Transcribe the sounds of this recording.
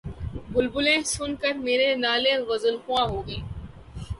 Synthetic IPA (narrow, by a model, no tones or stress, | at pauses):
bʊlbʊlẽsʊnkəɾmeːɾenaːlẽɣɐzəlxʊãɦoːɡeː